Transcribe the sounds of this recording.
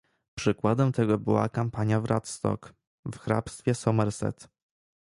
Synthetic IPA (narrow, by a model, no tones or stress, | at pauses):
pʂɘkwad̪ɛmt̪ɛɡɔbɘwa̰kampaɲjavɾʔat̪st̪ɔ̰k | vxɾa̰pst̪fʲjɛsɔmɛɾsɛ̰t̪